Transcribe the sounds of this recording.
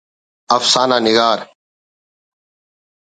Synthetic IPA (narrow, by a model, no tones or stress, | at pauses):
əfsaːnãːnɪɡaːɾ